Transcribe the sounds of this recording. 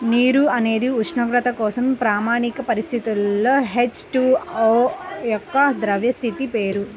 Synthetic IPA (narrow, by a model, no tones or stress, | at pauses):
niːɾuɐne̞ːd̪iuʂʰɳɐɡɾɐt̪ɐkɔːsɐmpɾaːmaːɳikɐpɐɾist̪ʰit̪ilːoɦet͡ʃʈuoːjɔkːɐd̪ɾɐʋjɐst̪ʰit̪ipeːɾu